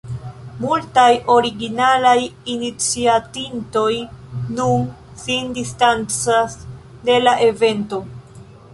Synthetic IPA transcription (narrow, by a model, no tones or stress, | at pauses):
multajo̞ɾiɡinalajinit͡siatinto̞jnun | sindistant͡sas | de̞laʔe̞ve̞nto̞